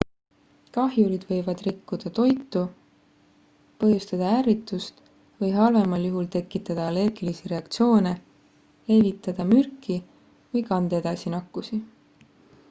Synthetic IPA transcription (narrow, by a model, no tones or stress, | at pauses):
kɑɦjuɾid̪̥vɤ̞jvɑd̪̥rikːud̪̥ɑt̪o̞jt̪ːˑu | pɤhɦjust̪ɑd̪̥ɑæːɾit̪ːˑust̪ | vɤjɦɑlve̞mɑljuɦult̪e̞kːˑit̪ːˑɑd̪̥ɑɑle̞rɡ̥ilisiɾe̞ɑkt̪sio̞ːne̞ | le̞vit̪ːˑɑd̪̥ɑmyrkːˑi | vɤjkɑnd̪ed̪̥ɑsinɑkːusi